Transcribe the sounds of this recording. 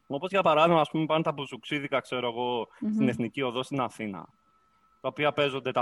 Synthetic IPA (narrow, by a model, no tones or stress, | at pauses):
o̞po̞zʝɐpɐɾɐðiɣmɐːspumepɐnt̪ɐpuzuksiðikɐkse̞ɾo̞eɣo̞st̪ine̞θnicioðo̞st̪inɐθinɐ̰ | t̪ɐopiɐpe̞zo̞nd̪e̞t̪ɐ